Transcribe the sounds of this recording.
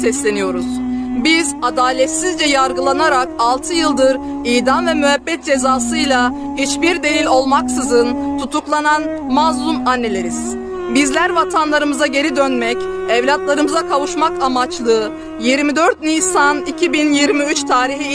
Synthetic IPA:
sɛslʲe̞nijo̞ɾuz̥bizad̪aːlʲɛt̪sizd͡ʒɛjaɾɡɯlˠanaɾakalˠt̪ʰɯjɯlˠd̪ɯɾ | ijd̪anvɛmyɦɛbːɛt̪̚d͡ʒe̞zaːsɯjlˠa | hit͡ʃbiɾd̪e̞lʲilʲo̞lˠmaksɯzɯnt̪ʰut̪ʰuklˠanan | mazlˠumanːe̞lʲe̞ɾiz̥ | bizlʲæɾvat̪ʰanlˠaɾɯmɯzaɟe̞ɾid̪ønmɛc | ɛvlʲat̪lˠaɾɯmɯzakʰavuʃmakamat͡ʃlˠɯ | jiɾmid̪øɾt̪̚nihsanicʰibinjiɾmiyt͡ʃt̪ʰaːɾiɦi

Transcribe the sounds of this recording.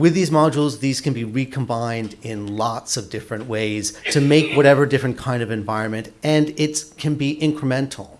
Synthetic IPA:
wɨðizmɑd͡ʒl̩ˠzðiz̥kʰɨ̃nbiɹikʰə̃m̩bãɪ̃ndɪ̃nlɑtsʌvdɪfɹɨ̃nʔweɪz̥tʰɨmeɪkwʌɾɛvə˞dɪfɹɨ̃nkʰãɪ̃ndʌvɨ̃ɱvaɪɹɨ̃nmɨ̃ntɨ̃nɪtkʰɨ̃nbiʔɪ̃nkʰɹ̥ɨmɛ̃ntʰl̩ˠ

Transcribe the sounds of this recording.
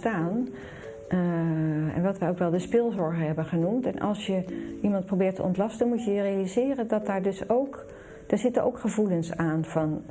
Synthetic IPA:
taːn | ɛ̰nʋɑtʋɛjowkʋɛlˠdəspɪlˠzɔɹχəɦɛbənχənumtɛnʔɑ̰lˠsjəʔimɑnt̚probɪːɹtʰə̰ɔ̰ntlɑstənmutjəjərejalizɪːrəndɑt̚daːɹdøsowk | d̥aːɹzɪtənʔo̰wkχəvulənsaːnvɑn

